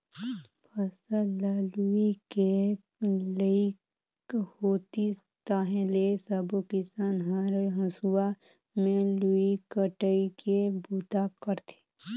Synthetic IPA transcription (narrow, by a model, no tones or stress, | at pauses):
pʰəsəlaːluike | lei | hoːt̪i | t̪aːɦẽlesəbokɪsaːnɦaɾəɦə̃suwa | mẽluikəʈəikebut̪akəɾt̪ʰe̥ː